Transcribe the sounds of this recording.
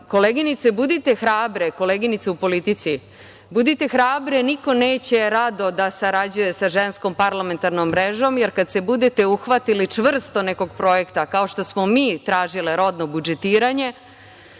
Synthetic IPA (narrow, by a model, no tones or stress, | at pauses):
ko̞leːɡinit̪sebud̪it̪e̞xɾaːbɾeko̞leːɡinit̪seupo̞lit̪it̪si | bud̪it̪e̞xɾaːbɾeniko̞neːt͡ɕe̞ɾad̪o̞d̪asaɾad͡ʑuje̞saʒensko̞mpaɾlˠame̞nt̪aɾnomːɾeʒo̞mjeɾkad̪sebud̪et̪e̞uxʋat̪ilit͡ʂʋr̩st̪o̞neko̞ɡpɾo̞je̞kt̪akaoʃt̪o̞smo̞miːt̪ɾaːʒileɾo̞d̪no̞bud͡ʒet̪iːɾaɲe̞